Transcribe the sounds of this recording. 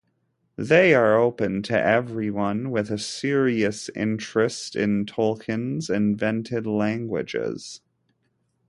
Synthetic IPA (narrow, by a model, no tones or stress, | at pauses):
ðeɪə˞oʊpɨ̃ntʰɨ̰ʔɛvɹiwʌ̃nwɪðɨsɪɹiɨsɪ̰̃nt͡ʃɹ̥ɨstɪ̃ntʰoʊlˠkʰɨ̃nzɪ̃ɱvɛ̃ntʰɪdˡlæ̃ŋɡwɪ̰d͡ʒɪ̰z̥